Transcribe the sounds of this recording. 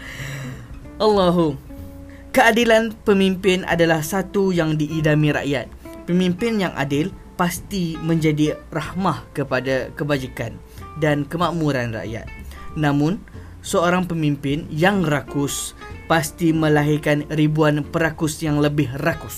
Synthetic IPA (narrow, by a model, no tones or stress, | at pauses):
ʔalːaɦu | kəadilanpəmimpɪnʔa̰dalahsat̪ujaŋdiʔːdamiɾa̰ʔjat̪̚pəmĩmpɪnjaŋʔa̰dɪlpast̪imə̃ɲd͡ʒadirahmahkəpadakəbad͡ʒikan | dankəmãʔmũɾanra̰ʔja̰t̪̚nãmʊ̃n | səoɾaŋpəmĩmpɪnjaŋrakʊs | past̪imə̃laɦirkanribuanpəɾakʊsjaŋləbɪɦrakʊs